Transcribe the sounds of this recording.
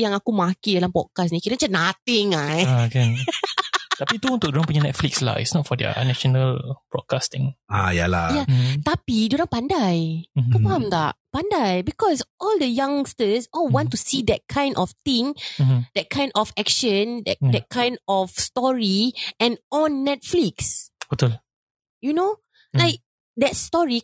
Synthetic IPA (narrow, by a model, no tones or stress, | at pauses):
jãŋakumakidalampɔd̚kas̬nĩkiɾət͡ʃanat̪ĩŋake | t̪apit̪uũnt̪ʊk̚dɾãŋpuɲanɛt̚fliksla̰ḭsnɔt̚fɔdɛə̰nɛʃonəlb̥ɹɔ̰d̚kast̪ĩŋa̰ja̰la̰jat̪apiduɾãŋpandajkɔ̃faãmt̪a̰ʔpãndajbikɔsʔɔldəjãŋstəsɔlwɔ̃ntusidɛt̚kʰãj̃ndʔɔft̪ĩŋdɛt̚kʰãj̃ndɔfɛkʃə̃ndɛ̰t̚dɛt̚kʰãj̃ndɔfstɔɹiɛ̃nɔ̃nːɛt̚fliksotəl | juno | laɪk̚ | dɛt̚stɔɹi